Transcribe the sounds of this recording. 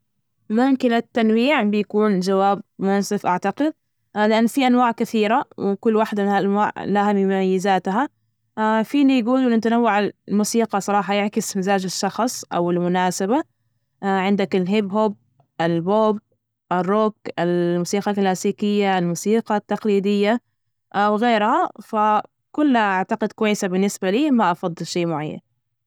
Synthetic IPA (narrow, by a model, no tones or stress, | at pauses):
mʊmkɪlat̪ːanwiːʕbɪjakuːnd͡ʒawaːb̚mʊasɪfʔaʕt̪aqɪd̪̚ | lɪʔanːfiʔanwaːʕkɪθiːɾawkʊlːwaːħd̪amahaʔanwaːʕlahamɪmʊmajːɪzaːt̪ɦa | fiːnijɡuːlɪnɪt̪anawːaʕamuːsiːqɑsˤɑɾˤɑːħɑjɪʕkɪsmazaːd͡ʒɪʃːɑxsˤʔa̰wɪlmʊnaːsaba | ʕɪnd̪akɪlɦɪbɦʊb̚ | ʔɪlboːb̚ | ʔɪrˤːokɪlmuːsiːqɑlklaːsiːkɪjːaɪlmuːsiːqɑt̪ːɑqliːd̪ɪjːa | ʔawɣeːɾhafa | kʊlːhaʔaʕt̪aqɪd̪kʊwajːɪsabɪnːɪsbaliːmaʔɑfɑd̪ˤːɨlʃejːmʊʕajːa̰n